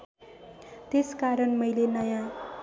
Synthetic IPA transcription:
t̪eskaɾʌnmʌjlenʌjã

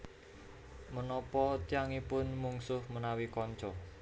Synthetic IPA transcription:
mənɔpɔt̪ijaŋipʊnmuŋsʊhmənawikɔɲt͡ʃɔ

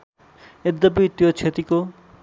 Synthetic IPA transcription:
ed̪ːɐbit̪ːiot͡ɕʰet̪iko

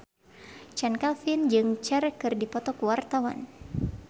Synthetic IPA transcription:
t͡ʃɛnkalfɪnd͡ʒɨŋt͡ʃɛrkɨrdipɔt̪ɔkuwart̪awa̰n

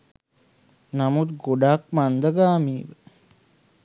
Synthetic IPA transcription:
namut̪̚ɡoɖak̚mand̪əɡaːmiːʋə

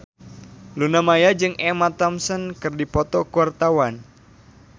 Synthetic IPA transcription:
lunamajad͡ʒɨŋʔɛmat̪amsənkɨrdipɔt̪ɔkuwart̪awan

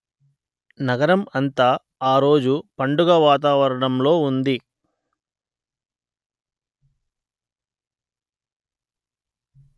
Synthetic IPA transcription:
nɐɡɐɾɐmɐnt̪aː | aːɾo̞ːd͡ʒupɐɳɖuɡaʋaːt̪̬aːʋɐɾɐɳɐmlo̞ːund̪i

